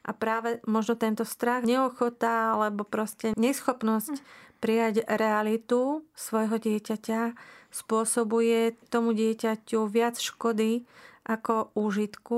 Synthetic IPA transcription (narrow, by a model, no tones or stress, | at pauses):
ʔa̰pɾaːʋɛmɔʒnɔt̪ɛnt̪ɔst̪ɾaɣɲɛɔxɔt̪aalɛbɔpɾɔscɛɲɛsxɔpnɔscpɾijaɟɾɛalit̪usʋɔjɦɔɟɪɛcacaspʊɔsɔbujɛt̪ɔmuɟɪɛcacuʋɪat͡sʃkɔd̪iʔakɔuːʒit̪ku